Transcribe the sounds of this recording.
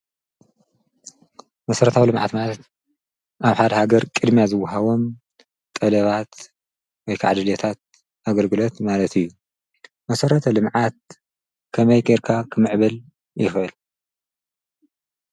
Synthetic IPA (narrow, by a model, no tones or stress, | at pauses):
mɐsɐɾɐt̪ʰawilɨmʕa̰t̪malɐt̪ | ʔaβħad̪ɐhaɡɐɾkʼɨd̪mijazɨwːaɦaβo̞m | t̪ʼɐlɐβat̪ | wɔjkʰa̰ʕd̪ɨlet̪ʰat̪̚ | ʔaɡɐlɡɨlo̞t̪malɐt̪ʰijːu | mɐsɐɾɐt̪ʰɐlɨmʕat̪̚ | kʰɐmɐjkʼiɾkʰakʰɨmɨʕβɐl | jɪxʔɨl